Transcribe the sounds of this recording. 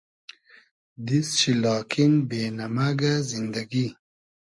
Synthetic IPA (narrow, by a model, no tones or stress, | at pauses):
d̪isɕilɑːkʰinbeːnamaɡazind̪aɡi